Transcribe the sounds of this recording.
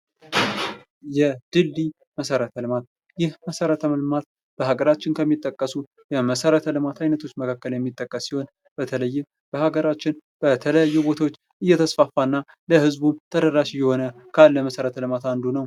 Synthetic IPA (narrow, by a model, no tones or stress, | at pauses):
jɛd̪̥ɨlːi | məsəɾət̪ʰəlɨmat̪̚ | jɪhməsəɾət̪ʰəməlmat̪̚ | b̥əhaɡəɾat͡ʃːɪnkʰəmːit̪ʼːəkʼːəsu | jɛməsəɾət̪ʰəlɨmat̪ajnət̪ʰo̞t͡ʃːməkʰakːəljɛmːit̪ʼːəkʼːəsːiho̞n | b̥ət̪ʰələjːɪm | b̥əhaɡəɾat͡ʃːɪnb̥ət̪ʰələjajːubo̞t̪ʰawot͡ʃː | ʔɨjːɛt̪ʰəsfafːanːa | ləhɨzbumt̪ʰədəɾaʃɨjːɛho̞nəkʰalːəməsəɾət̪ʰəlɨmat̪and̪unəw